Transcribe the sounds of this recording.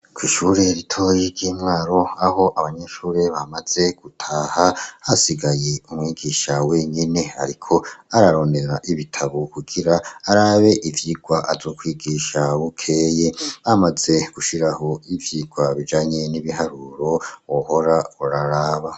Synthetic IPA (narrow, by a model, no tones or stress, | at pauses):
kwiːʃuːɾe̞ɾitʰo̞jiɾɟiːmŋaːɾo̞aho̞ʔaβaɲeʃuːɾe̞βamaz̥e̞ɡ̥utʰaːhahasiɡaje̞umŋiːɡiːʃawe̞ɲine̞a̰ɾikʰo̞aɾaɾo̞nde̞ɾaʔiβitʰaβokuɡiɾaːɾaːβe̞ʔivjiɡ̥waʔazo̞ːkwiːɡiʃaβukʰeːjeβamaze̞ɡ̥uʃiɾaho̞ivjiɡwaβid͡ʒaːɲe̞niβihaɾuɾo̞woho̞ɾauɾaɾaːβa